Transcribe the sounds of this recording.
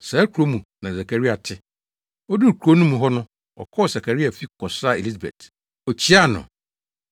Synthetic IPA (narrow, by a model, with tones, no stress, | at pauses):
sa˨˦kʰu˨ɾo˦mũ˨nã˨sa˨kʰa˨ɾi˦a˨tʰɪ˦ | ɔ˦du˦˨kʰu˨ɾo˦nũ˦mũ˨ɦɔ˦nʊ̃˦ | ɔ̰˨kʰɔ˦˨sa˨kʰa˨ɾi˦a˨fi˦kʰɔ˨sa˦e˨li˦s̬a˨bɛ̰˨t | ɔ˨t͡ɕʰi˦a˦˨nʊ̰̃˨